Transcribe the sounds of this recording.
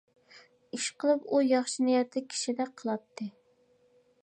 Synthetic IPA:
iʃqʰəlˠɨpujɑχʃinijɛt̪ʰlɪkʲʰi̥ʃid̪ɛqʰəlˠɑt̪ʰːɨ

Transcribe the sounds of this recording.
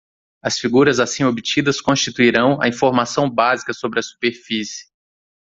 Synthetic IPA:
ɐsfiɡuɾɐzasĩobit͡ʃid̪ɐskõst͡ʃit̪uiɾɐ̃w̃ɐ̰ĩfoɾmasɐ̃w̃bazikɐsobɾɪɐsu̥peɾfisɪ̥

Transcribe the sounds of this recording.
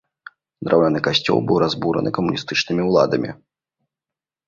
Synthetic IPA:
d̪ɾʔawlʲanɨkaɕʲt͡sʲɔ̰lˠbɨwɾazbuɾɐ̰nɨkɐmunʲist̪ɨt͡ʂnɨmʲiulˠa̰d̪ɐmʲḭ

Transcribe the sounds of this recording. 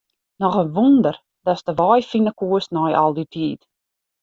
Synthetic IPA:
nɔxənʋundər | dɔstəʋɔjfinəkuəsnɔjɔ̰lˠditʰiːt

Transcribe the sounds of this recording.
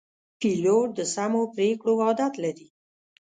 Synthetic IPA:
piloɾd̪əsamopɾekɽowɑd̪at̪laɾi

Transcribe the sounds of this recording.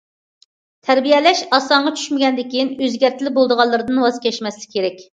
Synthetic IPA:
t̪ʰɛɾbijɛlɛʃɑsɑɴʁɑt͡ʃʰy̥ʃmɪɡʲɛnd̪ɪkʲinøzɡʲæɾt̪ʰɪlɪbolˠd̪əʁɑlˠːɨɾɨd̪ɨnwɑzkʲʰɛʃmɛslɪ̥kʲkʰʲːeɾɛkʲ

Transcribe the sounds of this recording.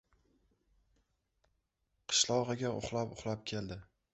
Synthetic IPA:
qʰɨ̥ʃlˠɒʁɨɡʲaʊ̰χlˠapʊ̰χlˠap̚kʲʰe̞ld̪ɪ

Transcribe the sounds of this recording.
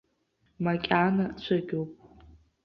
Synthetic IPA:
makʲʼanat͡ɕʷʰaɡʲowpʼ

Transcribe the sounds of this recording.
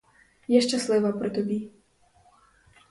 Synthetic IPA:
jɛʃt͡ʃaslɛvapɾɔt̪ɔbiː

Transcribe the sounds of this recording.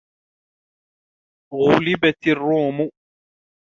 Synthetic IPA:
ɣʊlɪbat̪ɪrːuːmʊ

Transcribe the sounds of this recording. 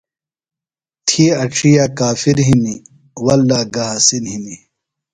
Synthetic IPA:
t̪ʰiɐʈ͡ʂʰijakaːfiɾɦimi | wɐlːaːɡɐɦasinɦini

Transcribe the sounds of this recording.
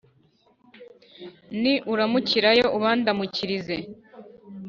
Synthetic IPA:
niʔuɾamuciɾajo̞ʔuβaːndamuciɾize

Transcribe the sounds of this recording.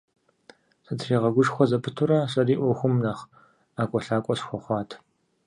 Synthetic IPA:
sɐtʰriːʁɐɡʷʊʂxʷɔzɐpʰɨtʰʊɾɐɕʼɐriːʔʷɔxʷʊmnaχ | aːkʷʼɔɬaːkʷʼɔɕxʷɔχʷɑːtʰ

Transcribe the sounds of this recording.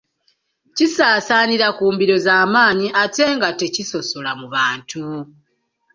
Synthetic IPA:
cisaːsaːniɾakuːmbiɾo̞zaːmaːɲiʔate̞ːŋɡate̞ciso̞so̞lamuβaːntu

